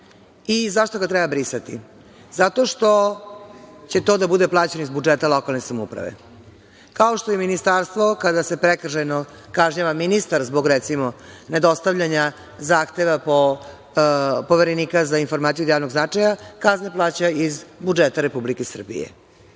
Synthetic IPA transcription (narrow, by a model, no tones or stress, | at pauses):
izaʃt̪o̞ɡat̪ɾɛbabɾisat̪ḭ | zat̪o̞ʂt̪o̞ | t͡ɕe̞t̪o̞ːd̪abud̪eplˠaːt͡ɕenoizbud͡ʒet̪alˠo̞kalˠne̞samṵpɾa̰ʋḛ | kaoʃt̪ojeminist̪aːɾst̪ʋo̞kad̪ase̞pɾek̩ʒejno | kaʒɲaʋaminist̪aɾzboɡɾet̪simone̞d̪o̞st̪aʋʎaɲa | zaːxt̪e̞ʋapo | po̞ʋeɾeniːkazainfo̞ɾmaːt̪ijud̪jaːvno̞ɡznat͡ʂajakazneplˠaːt͡ɕaizbud͡ʒet̪aɾe̞publikesr̩bḭjḛ